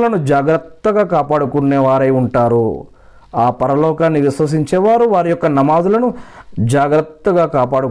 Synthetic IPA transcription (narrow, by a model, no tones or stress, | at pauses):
lɐnud͡ʒaːɡɾɐt̪ːɐɡaːkaːpaːɽukunːeːʋaːɾɐjuɳʈaːɾu | aːpɐɾɐlɔːkaːnːiʋisʋɐs̬iɲt͡ʃɛːʋaːɾuʋaːɾijɔkːɐnɐmaːd̪ulɐnud͡ʒaːɡɾɐt̪ːɐɡaːkaːpaːɽu